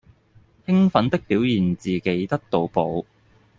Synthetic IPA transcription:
hɪ˥ŋfɐ˨˥nt̪ɪ˥k̚piː˨˥wjiː˨˩nt͡siː˨˩ke˨˥jt̪ɐ˥k̚t̪o˨˧wpo˨˧w

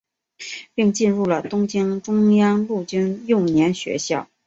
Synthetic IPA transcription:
pi˥˧ŋt͡ɕi˥˧nɻu˥˩lə˩t̪ʊ˥ŋt͡ɕi˥ŋʈ͡ʂʊ˥ŋjɑ˥ŋlu˥˩t͡ɕy˥njʊ˥˩ŋnjɛ˧˥nɕɥɛ̰˧˥ɕjɑ̰˥˩ʊ

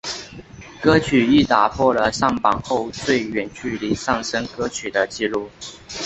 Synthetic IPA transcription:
kɤ˥t͡ɕʰy˨˩i˥˩t̪a˨˩pʰwɔ˥˩lə˩ʂɑ˥˩ŋpɑ˨˩ŋxo˥˧ʊt͡swe˥˩ɪɥɛ˨˩nt͡ɕy˥˩li˧˥sɑ˥˩ŋʂə˥ŋkɤ˥t͡ɕʰy˨˩d̪ə˦t͡ɕi˥˧lu˥˩

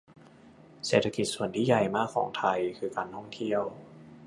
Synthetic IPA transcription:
seː˨˩t̪ʰːa˧ki˨˩su˨˩ənt̪ʰiː˥˩ja˨˩jmaː˥˩kʰːɔ̰ː˩˦ŋt̪ʰa˧jkʰɯː˧kaː˧nt̪ʰɔ˥˩ŋt̪ʰi˥˩əw

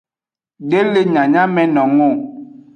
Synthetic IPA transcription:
ɖe˦le˦ɲã˨ɲã˦mɛ̃˨nɔ̃˨ŋo˦˨

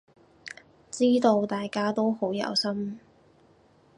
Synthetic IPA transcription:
t͡siː˥t̪o˧wt̪aː˨˩jkaː˥t̪o˥who˨˥wjɐ̰˨˧˥wsɐ˥m

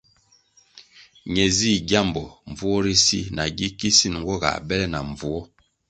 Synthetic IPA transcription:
ɲɛ˨zi˦˨ɡja˦˨mbɔ˨ɱ˨vu˦ɔ˦ɾi˦si˦na˨ɡi˦ki˦si˦˨n˨ŋɡɔ˦ɡa̰˨bɛ˦lɛ˦na̰˨ɱvu˨ɔ˦

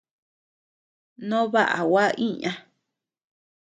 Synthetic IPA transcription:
nõ˦βa˦ʔa̰˨wa˦ʔĩ˦ɲã˨

